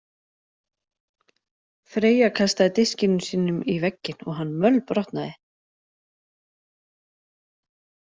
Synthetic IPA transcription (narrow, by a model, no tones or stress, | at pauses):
fɾeːjakʰast̪aðɪt̪ɪscɪnʏmsiːnʏmivɛcːɪn̥ɔɣɦanːmœlpɾɔht̪naðɪ